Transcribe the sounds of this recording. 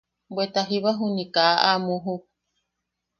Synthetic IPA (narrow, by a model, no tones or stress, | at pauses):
bwet̪aɦiβaɦunikaʔamuɦu